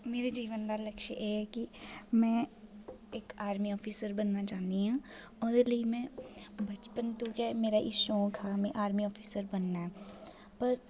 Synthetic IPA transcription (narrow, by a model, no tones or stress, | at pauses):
meːɾed͡ʒiːʋənd̪aːləkʃḛʔeɦɛːkimɛ̃ː | ekaːɾmiɔːpʰiːsəɾbənːat͡ʃaːnd̪iɦãː | ʊd̪eləimɛ̃bɐt͡ʃpənt̪uːkemeːɾaʔiʃõːkʰamɛ̃ʔaːɾmiɔːpʰiːsəɾbənːaɦɛː | pəɾ